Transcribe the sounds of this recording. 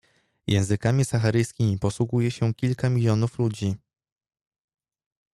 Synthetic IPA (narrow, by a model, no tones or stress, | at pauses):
jʔɛ̰̃w̃zɘkamʲisaxaɾɘjskʲimʲipɔswuɡujɛɕɛkʲilkamʲilʲjɔnuflud͡ʑi